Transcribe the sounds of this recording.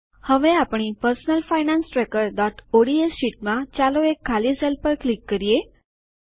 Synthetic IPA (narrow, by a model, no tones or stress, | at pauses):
həʋẽapɳ̃ipəɾsnəlfajnansʈɾɛkəɾɖɔʈoɽiesɕiʈ̚mãt͡ɕaloekʰːaliːsɛlpəɾklikːəɾije